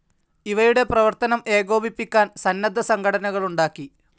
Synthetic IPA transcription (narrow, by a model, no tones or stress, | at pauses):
iʋɐjuɽe̞prɐʋɐrt̪ɐnɐme̞ːɣo̞ːbipːikʲːaːnsɐnːɐd̪ʱːɐsɐŋɡʰʱɐɽɐnɐɣɐɭuɳɖaːkːi